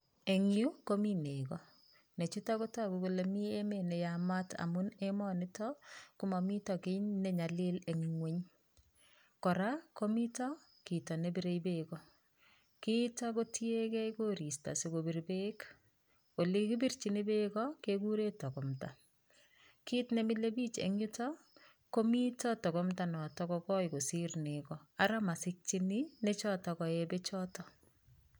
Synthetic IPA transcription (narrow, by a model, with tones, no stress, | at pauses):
e˨ŋju˦komi˦ne˨kɔ˦ | ne˨t͡ʃu˦ta˦kota˦kuku˨le˨mi˦e˦mene˨jama˦ta̰˨mʊ˦nemɔ˦nɪtɔkumɔ˨mi˦tɔke˦ɲne˦ɲa˨lɪ˦le˨ŋiŋwe˦ɲ | kɔ˨ɾa˦ko˦mi˦tɔ˦ | ki˨tɔ˨nebiɾe˦jbekɔ˦ | kitako˦tje˦kɛ˦jko˦ɾi˨sta̰˨sɪɡobi˨rbe˦k | o˨le˦kibirt͡ʃini˦be˦kɔkeku˦ɾe˦tɔ˨kɔ˨mta˨ | kiː˦tnemɪ˦le˦biː˦t͡ʃḛɲʊ˦tɔ | ko˦mitɔ˦tɔ˨kɔmta˨nɔ˨tɔ˦kɔkɔ˦jko˨sɪrnekɔa˦ɾa˦ma˨sɪk̚t͡ʃi˦nɪnet͡ʃɔtɔkɔ˨ebet͡ʃɔtɔ